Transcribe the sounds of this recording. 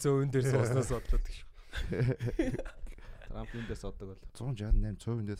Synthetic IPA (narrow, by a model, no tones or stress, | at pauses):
t͡sʰowɘ̆nt̪ersɔsnaːspɔt̪ɮə̆t̪ə̥̆kʃ | t̪ʰrampʰint̪ersɔt̪ːə̆kɔɮt͡sʊ̆nt͡ɕat̪ənːæːmt͡sʰow̆nt̪e